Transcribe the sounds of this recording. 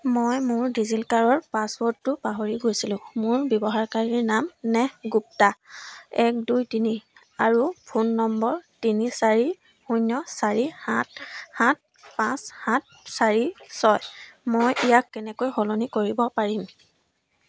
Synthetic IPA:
mojmʊɹdizilkaɹɔɹpaswɔtːʊpaɦoɹiɡojsilʊ̃mʊɹbjɔbɔɦaɹkaɹiɹnamnɛɡup̚ta | ɛk̚dujtini | aɹupʰunːɔmbɔɹtinisaɹi | xunːɔsaɹihãthãt̚ | pãshãt̚ | saɹisɔjmojijakːɛnɛkojxɔlonikoɹibɔpaɹim

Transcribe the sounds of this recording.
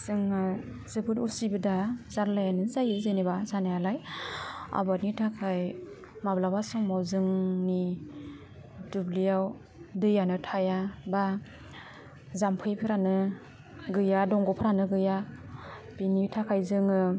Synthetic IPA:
zɯŋa | z̥ɯbʰɯtusibɯdazaɾlajanɯzajɯzɯnibazanajalaj | a̰bat̚nitʰakʰaj | mablawasɔŋmawzɯŋni | dublijaw | dɯjanɯtʰajaba | zampʰɯjpʰɯɾanɯ | ɡɯjadɔŋɡɔpʰɯɾanɯɡɯja | pinitʰakʰajzɯŋɯ

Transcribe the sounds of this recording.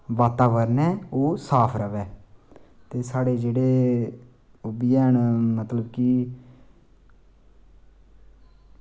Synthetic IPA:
ʋaːt̪aːʋəɾnɛːoːsaːpʰɾəʋɛː | t̪eːsaːɽeːd͡ʒeːɽeː | obɪjɛːɦəɳmət̪ləbki

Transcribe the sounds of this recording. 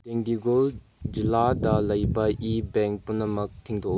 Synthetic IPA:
teŋdiɡol | d͡ʒiladɐlɐjbɐʔibɛŋk̚punːɐmɐk̚tʰiŋdɔ

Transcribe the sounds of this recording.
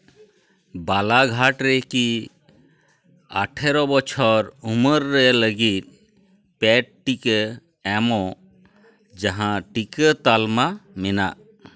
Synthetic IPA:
balaɡʱaʈɾɛki | a̰ʈʰɛɾɔbɔt͡ʃʰɔɾuməɾːɛləɡit̪̚ˀ | pɛʈ̚ʈikə | ɛmɔ̃ | d͡ʒaɦãʈikət̪almamɛnaʔ

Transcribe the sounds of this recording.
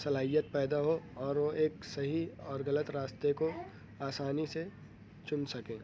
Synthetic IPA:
sɐlaːɦijət̪̚pɛːd̪aɦoɔːɾʋoʔeːksɐɦiɔːɾɣɐlət̪ɾaːst̪eko | aːsaːnise | t͡ʃʊnsɐkẽː

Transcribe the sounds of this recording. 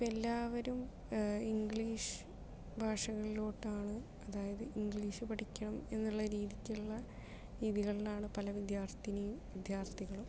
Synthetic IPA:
ipːɐelːaːʋɐɾum | iŋɡɭiːʂɨ̥ | bʱaːʂɐɣɐɭilo̞ːʈːaːɳɨ | ɐðaːjɐðɨʔiŋɡɭiːʂɨpɐʈʰikʲːɐɳɐme̞nːuɭːɐɾiːðikʲːuɭːɐ | ɾiːðiɣɐɭilaːɳɨpɐlɐʋid̪jaːrt̪ʰinejumʋid̪jaːrt̪ʰiɣɐɭum

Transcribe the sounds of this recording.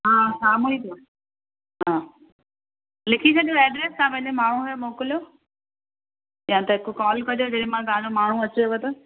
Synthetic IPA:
ɦãːsaːmoit̪ʰo | ɦãː | lɪkʰit͡ɕʰɐɗijoɛːɖɾeːskãpɐ̃ɲemaːɳ̤̃ũɦɐjomoːkɪljoː | jãːt̪ɐɦɪkokɔːlkɐd͡ʑod͡ʑɐɗẽmãɡaːnomaːɳ̤ũɐt͡ɕoobɐt̪ɐ

